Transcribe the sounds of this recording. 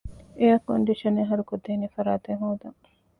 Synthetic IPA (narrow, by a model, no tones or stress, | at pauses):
eɐkoɳɖiʃɐneɦɐɾukod̪ːeːnefɐɾaːt̪eɦoːd̪ɐŋ